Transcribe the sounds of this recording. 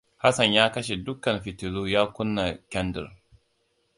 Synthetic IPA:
ha˦sɐ˨ɲjaː˦kɐ˦ʃ̬e˨dʊ˦kːɐ˨nɸɪ˨tɪ˨ɽuː˦jaː˦kʷʊ˦nːa˨kʲɛ˦ndɪ̰˨ɾ

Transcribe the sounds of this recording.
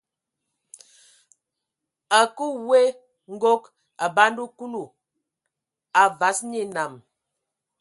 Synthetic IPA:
a˨ku˦we˦ | ŋ̩˦ɡo˦k | a˨ba˦ndu˦ku˦lu˨ | a˨va˨˦sɲi˦˨na˨m

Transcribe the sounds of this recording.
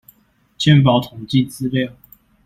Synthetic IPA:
t͡ɕʰjɛ˥˨np̬ɑ˨˥ʊt̪ʰʊ˨˩ŋt͡ɕi˥˨t͡sɹ̩˥˦ljɑ˥˨

